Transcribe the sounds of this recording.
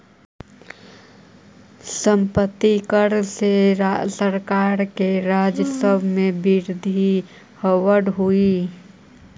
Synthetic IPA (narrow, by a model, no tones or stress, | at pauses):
səmpət̪ːikəɾseɾasəɾkaːɾkeɾad͡ʒəsəbʱmẽbiɾd̪ʱi | həwəɽɦui